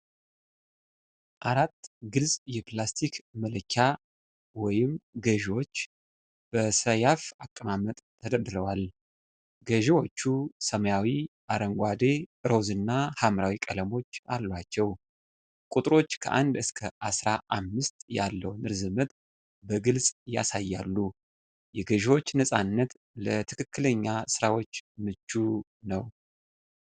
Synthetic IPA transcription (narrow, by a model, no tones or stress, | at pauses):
ʔaɾat̪ːɡɨlzʼjɛplast̪ʰikʰmələkʰːa | wɔjɪmɡəʒwo̞t͡ʃː | b̥əsəjafakʼːəmamət̪ʼʰːəd̪əɾd̪ɨɾəwal | ɡəʒiwo̞t͡ʃːusəməjawiʔaɾəŋɡʷad̪e̞ɨɾo̞zɨnːahamɾawikʼələmo̞t͡ʃːalːwat͡ʃːɛw | kʼut̪ʼɨɾo̞t͡ʃːkʰə̰ʔa̰nd̪ɨskʰəʔasɾaʔamːɨst̪ja̰lːəwnɨɾzɨmət̪ʼ | bəɡɨlsʼja̰sajːa̰lːu | jɛɡəʒiwo̞t͡ʃːnəsʼanːət̪ | lət̪ʰɨkʰɨkːɨləɲːasɨɾawo̞t͡ʃːmɨt͡ʃːu | nəw